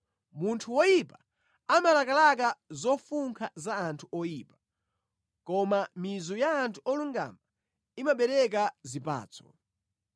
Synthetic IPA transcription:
muntʰuwɔjipa | amalakalak̬azɔfuŋkʰazaːntʰuɔjipḁ | kɔmamizɔjaːntʰuɔluŋɡa̰ma | imaɓɛɾɛk̬azipa̰ːt͡sʰɔ̥̰

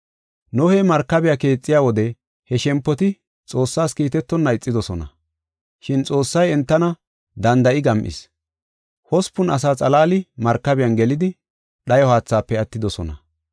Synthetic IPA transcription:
nɔhɛmɐɾkːɐbɪjaːke̞ːt͡sʼːɪjaːwɔd̪ɛ | hɛʃɛmpːɔt̪ɪ | t͡sʼo̞ːsːaːskiːt̪ɛt̪ːɔnːɐɪt͡sʼːɪd̪ɔsɔnɐ̰ | ʃɪnt͡sʼo̞ːsːɐjɛnt̪ːɐnɐ | d̪ɐnd̪ɐʔɪɡɐmʔɪ̰s | hɔspːʊnɐs̬aːt͡sʼɐlaːlɪmɐɾkːɐbɪjɐnɡɛlɪd̪ɪ | ɗɐjɔhaːt͡sːaːpːɛɐt̪ːɪd̪ɔsɔ̰nɐ̰

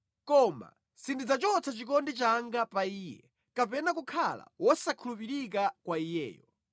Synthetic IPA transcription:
kɔma̰ | sindid͡zat͡ʃɔt͡sʰat͡ʃikɔndit͡ʃaŋɡapaiːjɛ̰ | kapɛnakukʰala̰wɔsakʰulupiɾik̬akwaijɛ̰ːjɔ

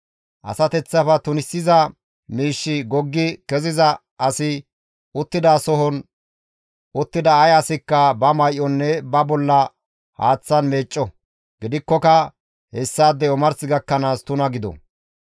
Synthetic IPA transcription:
ʔɐ̰sɐt̪ɛt͡sːɐfɐt̪ʊnɪsːɪzɐ | miːʃːɪɡɔɡːɪkɛzɪzɐ | ʔɐsɪ | ʊt̪ːɪd̪asɔɦɔn | ʔʊt̪ːɪd̪ɐɐjɐsɪkːɐbɐmɐjʔɔnːɛbɐbɔlːɐ | haːt͡sːɐnmeːt͡ʃʼːɔ | ɡ̥ɪd̪ɪkːɔkɐ | hɛsːaːd̪ːɛɔmɐɾsɪɡɐkːɐnaːst̪ʊnɐɡɪd̪ɔ̰

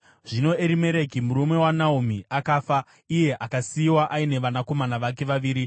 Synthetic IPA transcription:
ʐ̥ino̞eɾime̞ɾe̞kimuɾume̞wanaum̤iakaːfa | ije̞ʔakasiwaʔaine̞ʋanako̞manaʋak̬e̞ʋaʋiːɾi

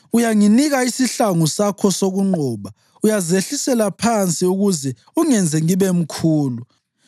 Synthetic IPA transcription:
ujaŋiniɣaisiɬaŋusakʰɔsoɣuŋ͡ǃʱɔːβa | ujazeɬisɛlapʰant͡sʼiuɣuzɛ | uŋɛnd͡zʱɛŋiβɛm̩kʰuːlu

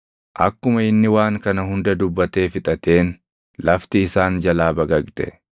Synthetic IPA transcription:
ʔɐkːʊmɐɪnːɪwaːŋkɐnɐɦʊnd̪ɐd̪ʊbːɐt̪e̞ːfɪt̪ʼɐt̪e̞ːn | lɐft̪ɪːsaːnd͡ʒɐlaːbɐɡɐkt̪ɛ̰

